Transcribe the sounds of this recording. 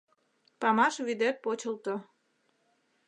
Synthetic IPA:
pɑmɑʃβyd̪et̪̚pot͡ɕəlt̪o

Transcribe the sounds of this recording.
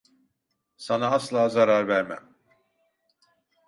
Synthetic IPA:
sanaːslˠaːzaɾaɾvæɾmæ̰m

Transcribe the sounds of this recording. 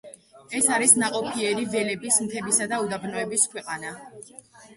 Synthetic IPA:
ɛsaɾisnaqʼɔpʰiɛɾivɛlɛbismt̪ʰɛbisad̪aud̪abnɔɛbiskʰwɛqʼana

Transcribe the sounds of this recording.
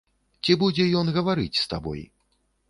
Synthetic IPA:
t͡sʲibud͡zʲɛjɔnɣɐvaɾɨt͡sʲst̪abɔ̰j

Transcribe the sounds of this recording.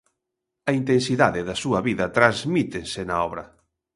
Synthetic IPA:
ɐint̪ensiðaðɪðɐsuɐβiðɐt̪ɾazmit̪ensɪnaɔβɾɐ

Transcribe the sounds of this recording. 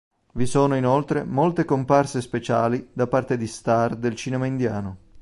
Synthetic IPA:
visoːnoinolt̪ɾemolt̪ekomparsespet͡ʃaːlid̪apart̪ed̪ist̪ard̪elt͡ʃinɛmaind̪jaːno

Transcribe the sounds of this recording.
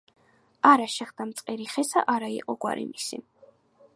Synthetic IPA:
aɾaʃɛχd̪amt̪sʼqʼɛɾiχɛsa̰ʔaɾaḭqʼɔɡwa̰ɾḭmisḭ

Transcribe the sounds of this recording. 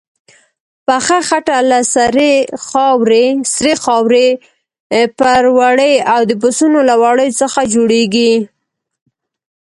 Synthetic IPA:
paxaxaʈalasaɾexɑwɾesɾexɑwɾe | pəɾwaɽəjawd̪əbʊsunolawaɽəjt͡səxad͡ʒoɽeɡi

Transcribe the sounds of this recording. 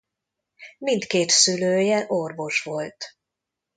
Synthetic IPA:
mint̪keːt̪syløːjɛʔorvo̞ʃʋo̞lt̪

